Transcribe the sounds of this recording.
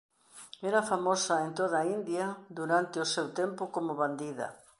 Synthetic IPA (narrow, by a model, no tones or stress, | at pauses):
eɾɐfamosɐent̪oð̞ɐaːind̪jɐd̪uɾant̪ɪosewt̪empʊkomʊβand̪iðɐ̰